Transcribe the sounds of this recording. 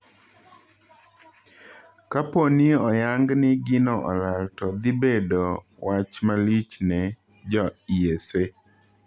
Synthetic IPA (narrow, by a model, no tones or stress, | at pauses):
kaponɪɔjaŋɡnɪɡɪnɔʔɔ̰laltɔd̪ɪbedɔ | wat͡ʃmalit͡ʃnɛ | d͡ʒɔiese